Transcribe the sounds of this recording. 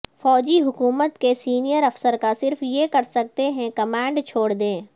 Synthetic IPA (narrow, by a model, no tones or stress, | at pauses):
fɔːd͡ʒiɦʊkuːmət̪kesiːnijəɾɐfsəɾkasɪɾfjekɐɾsɐk̚t̪eɦɛ̃kɐmãːɳɖt͡ʃʰoːɽd̪ẽː